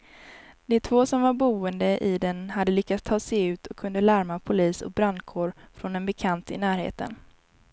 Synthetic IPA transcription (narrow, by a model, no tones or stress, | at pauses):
d̪̥ɛt̪ʰvoːsɔmvaɾbuːənd̪əʔɪd̪ɛnhad̪ːəlʏkːat̪st̪ʰɑːsɛjʉ̟ːt̪ʰɔkʰːɵnd̪əlæɾmapʰʊliːsɔ̰k̚bɾand̪kʰoːɾfɾɔnɛnbɛkʰant̪ɪ̰næːɾhḛːt̪ə̰n